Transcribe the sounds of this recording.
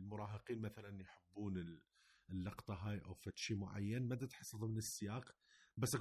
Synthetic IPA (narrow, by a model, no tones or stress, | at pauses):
lmʊɾˤɑːɦəqiːnmæθælænjħəbːuːnə | lːɑqt̪ˤɑɦaːjʔawfæt̪ʃimʊʕa̰jːanmæd̪at̪ħɑsˤːɑðˤmənəsːɪjaːqbæsːa